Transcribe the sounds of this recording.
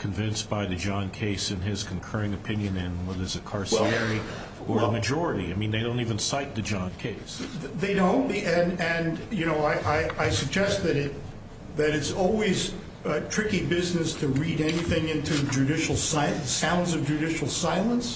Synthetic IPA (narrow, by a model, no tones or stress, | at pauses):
kʰɨ̃ɱvɪ̃nsb̥aɪðɨd͡ʒɑ̃nkʰeɪsɨ̃nɪz̥kʰn̩kʰɜ˞ɪ̃ŋɨpʰɪ̃njɨ̃nɪ̃nwɛðə˞zɨkʰɑɹsiɛɹi | ə˞əmɨd͡ʒɔɹɨɾḭa̰ɪmĩnðeɪɾõʊ̃ntivɨ̃nsaɪt̪̚ðɨd͡ʒɑ̃nkʰeɪsðeɪdõʊ̃nbiɨ̃nɨ̃njɨnoʊaɪʔaɪaɪsɨɡ̚d͡ʒɛst̪̚ðɨɾɪt̪̚ | ðɨɾɨtsɔlˠwiz̥ | tʰɹ̥ɪkibɪznɨstʰɨɹiɾɛniθɪ̃ŋɪ̃ntʰʉd͡ʒʉɾɪʃl̩ˠsaɪsãʊ̃ndzʌvd͡ʒɨʉɾɪʃl̩ˠsaɪlˠə̃ns